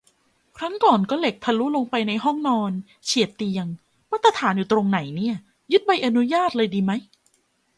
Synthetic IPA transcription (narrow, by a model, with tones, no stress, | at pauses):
kʰɾa˦˥ŋkɔː˨˩nkɔː˥˩le˨˩k̚p̪ʰa˧luː˦˥lo˧ŋpa˧jna˧jɦɔ˥˩ŋnɔː˧n | t͡ɕʰi˨˩˦ət̪ːi˧əŋ | ma˦˥t̪ʰːa˧t̪ʰaː˩˦njuː˨˩t̪ɾo˧ŋna˨˩˦jni˥˩ɐ | jɯ˦˥t̪̚ba˧jʔa˧nu˦˥jaː˥˩t̪̚lɤː˧jdiː˧ma˦˥j